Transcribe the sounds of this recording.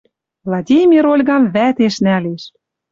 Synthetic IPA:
vlˠɑdʲimʲiɾolʲɣɑmvæt̪eʃnæleʃ

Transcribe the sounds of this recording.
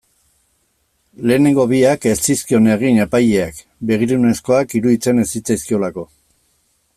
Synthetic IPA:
le̞ːne̞ŋɡo̞βiake̞st͡siskio̞neɣ̞ine̞pajeak | be̞ɣ̞iɾune̞sko̞akiɾuðit͡se̞ne̞sit͡sajskio̞lako̞

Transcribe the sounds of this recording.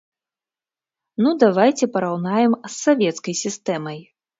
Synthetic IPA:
nud̪avajt͡sʲɛpɐɾawnajɛmsːavʲɛt̪skɐjsʲist̪ɛmɐj

